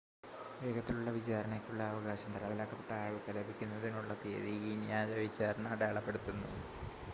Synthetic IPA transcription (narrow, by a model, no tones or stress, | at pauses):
be̞ːɡɐt̪ːiluɭːɐʋit͡ɕaːɾɐɳɐkʲːuɭːɐːʋɐɡaːɕɐmt̪ɐlaðilaːkːɐpːe̞ʈːɐaːɭɨt̪ɐlɐbikʲːunːɐðinuɭːɐt̪ḛːðiɡinjaːjɐʋit͡ɕːaːɾɐɳɐɐɽeːɭɐpːe̞ɽut̪ːunːṵ